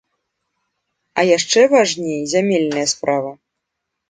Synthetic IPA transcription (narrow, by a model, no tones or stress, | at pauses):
ɐjaʂt͡ʂɛvaʐnʲejzʲamʲelʲnɐjɐspɾʔavɐ